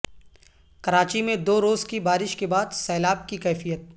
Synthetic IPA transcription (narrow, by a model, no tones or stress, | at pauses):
kɐɾaːt͡ʃimẽd̪oːɾoːzkibaːɾɪʃkebaːd̪sɛːlaːb̚kikɛːfijət̪̚